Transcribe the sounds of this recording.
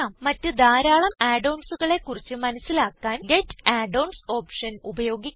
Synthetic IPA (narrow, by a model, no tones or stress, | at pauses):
aːmːɐtːɨd̪aːɾaːɭɐmaːɖɐwnsuɣɐɭe̞kːurit͡ɕːɨmɐnɐsːilaːkːaːnɡetːaːɖɐwnso̞ːpʂɐnubɐjo̞ːɡi